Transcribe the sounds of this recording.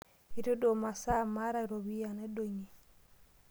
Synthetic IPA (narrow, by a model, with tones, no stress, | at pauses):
i˦ɾo˦do˨ma˨sa˦˨ma˦ɾa˦˨ɾo˨βi˦a˨nɛ˦do˨ɲi˨